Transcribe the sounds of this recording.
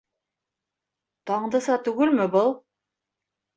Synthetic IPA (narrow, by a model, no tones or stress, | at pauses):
t̪ɑɴd̪ɤ̆sɑt̪ʉɡɘlmɘbɤlˠ